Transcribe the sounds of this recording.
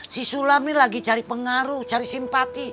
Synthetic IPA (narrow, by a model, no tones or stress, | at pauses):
sisulamnilaɡit͡ʃaɾipəŋaɾut͡ʃaɾisimpat̪i